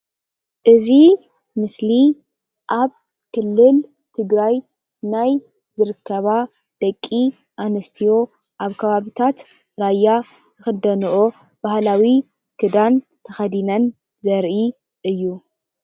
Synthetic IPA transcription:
ʔɨzi | mɨsli | ʔaβ | kʰɨlːɨl | t̪ʰɨɡɾaj | naj | zɨɾɨkːɐβa | d̪̥ɐkʼːi | ʔanɐst̪ʰijo̞ | ʔaβkʰɐβaβit̪ʰat̪ | ɾajːa | z̥ɨxɐd̪ɐnuʔo | b̥ahlawi | kʰɨd̪an | t̪ʰɐxɐd̪inɐn | zɐɾʔi | ʔɨjːu

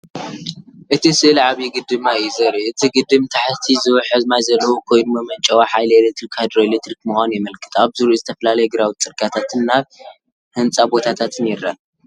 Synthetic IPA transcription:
ʔɨt̪ʰisɨʔɨlʕaβiɡɨd̪ɨmajizɐɾiʔɨt̪ʰiɡɨd̪ɨmt̪ʰaħt̪ʰizɨwħɨzmajzɐlːɐwokʰo̞jnumɐmɐnt͡ʃʼɐwaħajlelek̚t̪ɾikad̪ɾoelet̪ɾikmuxʷanujɪmɐlkʰɨ̥t̪aβzɨɾuuzɨt̪ʰɐfɐlalɐjɛɡɨɾawt̪t͡sʼɨɾɡʼat̪ʰat̪ʰɨnːaβ | hɨnt͡sʼabo̞t̪ʰat̪ʰat̪ʰɨnɛɾːa

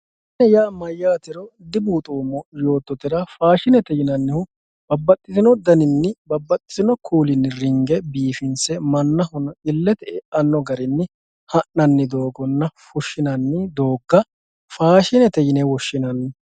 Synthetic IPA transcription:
nɛjaːmɐjːaːt̪ɪɾɔd̪ɪbuːt̪ʼuːmɔjo̞ːt̪ːɔt̪ɪɾɐfaːʃɪnɛt̪ɛjɪnɐnːɪhʊ | bɐbːɐt̪ʼːɪzɪnɔd̪ɐnɪnːɪbɐbːɐt̪ʼːɪ̥zɪnɔkʰuːlɪnːɪrɪŋɡɛbiːfɪnsɛmɐnːɐhɔnɔɪlːɛt̪ɛʔɛɐnːɔɡɐɾɪnːɪ | hɐʔnɐnːɪd̪o̞ːɡɔnːɐfʊʃːɪnɐnːɪd̪o̞ːɡːɐ | faːʃɪnɛt̪ɛjɪnɛwɔʃːɪnɐnːɪ

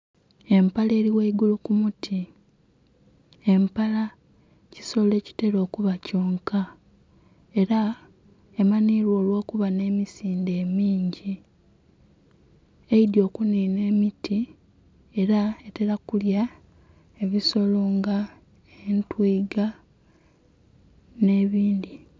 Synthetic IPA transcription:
e̞mpale̞ːɾiweiɡulukumutʰi | e̞mpala | ci̥sole̞ːci̥te̞ɾo̞ːkuβacoːŋka | e̞ɾa | emaniːɾwo̞ːlwo̞ːkuβane̞ːmisiːndeːmiːɲɟi | eidjo̞ːkuniːne̞ːmiti | e̞ɾaete̞ɾakulja | e̞βiso̞loːŋɡa | entwiːɡa | ne̞ːβiːndi

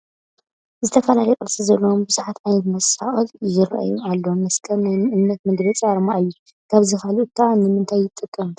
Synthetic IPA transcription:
zɨt̪ʰɐfɐlalɐjɛkʼɐsizɐlːɐwombɨzuħat̪ʕajnɐt̪mɐsa̰xʼɨljɪɾʔa̰jṵalːomɐskʰʼɐnnajʔɨmnɐt̪mɨɡbɐt͡sʼaɾmaʔɨjːu | kʰaβzixalut̪ʰːanɨmɨnt̪ʰajːɪt̪ʼɨkʼːɐm

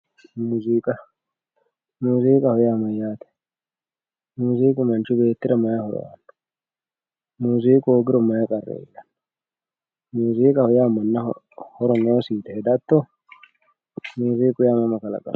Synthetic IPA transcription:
muːzikʼɐ | muːziːkʼɐhʊjaːmɐjaːt̪ɛ̥ | muːziːkʼʊmɐnt͡ʃʊbe̞ːt̪ːɪɾɐmɐjɐhɔ̰ɾɔ̰wa̰̥ | muːziːkʼoːɡɪɾɔmɐjɐkʼɐrːḛːʔɐ̥n | muːziːkʼɐhʊjaːmːɐnːɐ | hɔɾɔnoːsiːt̪ɛɛd̪ɐt̪ːo | muːziːkʼʊjamɐmɐkɐlɐ̰kʼɐ̰

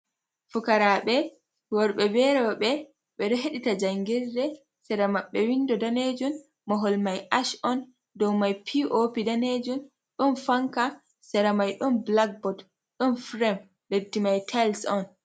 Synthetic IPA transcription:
fukaɾaɓɛ | wɔɾɓɛbɛɾɔɓɛ | ɓɛɗɔɦeɗitad͡ʒaŋɡiɾdɛ | sɛɾamaɓːɛwindɔdaned͡ʒun | mɔɦɔlmajʔaʃɔn | dɔwmajpʰiʔopidaned͡ʒun | ɗɔnfaŋka | sɛɾamajɗɔnblak̚bɔd | ɗɔnfɾɛm | ledːimajtʰalsɔn

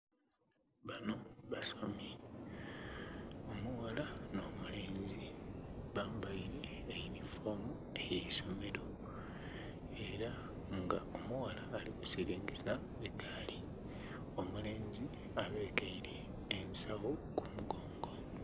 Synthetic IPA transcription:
βano̞βasomi | o̞muwalano̞ːmule̞ːɲɟiβaːmbajiɾeːjinifo̞mu | ejeiso̞me̞ɾo̞ | eɾa | ŋɡao̞muwalaːlikusiɾiːŋɡesa | etʰaːli | o̞mule̞ːɲɟi | aβe̞ːtaiɾeː | nsawokumuɡoːŋɡo̞

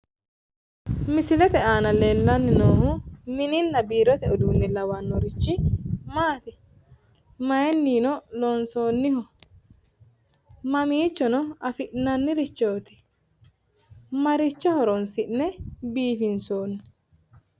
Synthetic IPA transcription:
mɪsɪlɛt̪ɛaːnɐleːlːɐnːɪnoːhʊmɪnɪnːɐbiːɾɔt̪ɛɔd̪uːnːɛlɐwɐnːɔɾɪt͡ʃːɪmaːt̪ɪ | mɐjɛnːiːnɔlonso̞ːnːɪhɔ | mɐmiːt͡ʃːɔnɔɐfɪʔnɐnːɪɾɪt͡ʃːoːt̪ɪ̥ | mɐɾɪt͡ʃːɔhɔɾɔnsɪʔnɛbiːfɪnsoːnːʊ̥

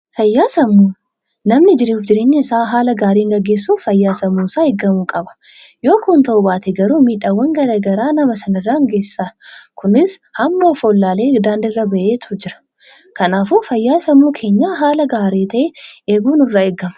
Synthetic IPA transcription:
fɐjːaːsɐmːuː | nɐmnɪd͡ʒɪɾeːfd͡ʒɪɾe̞ːɲːɐɪsaːɦaːlɐɡaːɾiːŋɡɐɡːe̞ːsːuːfɐjːaːsɐmuːsaːɛɡɐmuːkʼɐbɐ̥ | jo̞ːkʰuːnt̪ɐʔʊbaːt̪ɛɡɐɾuːmiːᶑawːɐŋɡɐɾɐɡɐɾaːnɐmɐsɐnɐɪrːaːŋɡe̞ːsːakʰʊnɪshɐmːoːfoːlːaːleːd̪aːnd̪ɪɪrːɐbɐʔeːt̪ʰʊd͡ʒɪɾɐ̥ | kɐnaːfuːfɐjːaːsɐmuːkʰe̞ːɲːaːɦaːlɐɡaːɾeːt̪ɐʔeeːɡuːnʊrːaːɛɡːɐmɐ̥

